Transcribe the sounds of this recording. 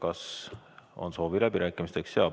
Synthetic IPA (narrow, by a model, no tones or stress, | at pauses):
kɑs | o̞̰nso̞ːvilæb̥iɾæːkːˑimist̪ekseɑ